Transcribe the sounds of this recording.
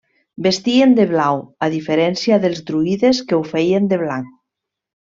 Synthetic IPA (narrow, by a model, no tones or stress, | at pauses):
best̪iend̪eβlawaðifeɾɛnsjaðelˠzd̪ɾuiðeskewfeiend̪eβ̞laŋk